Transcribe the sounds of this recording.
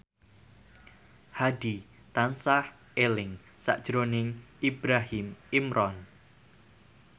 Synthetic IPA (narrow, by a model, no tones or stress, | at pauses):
hadi | t̪ansah | elɪŋ | sa̰ʔd̥ʒ̥ɾonɪŋibɾaɦimimɾʔɔn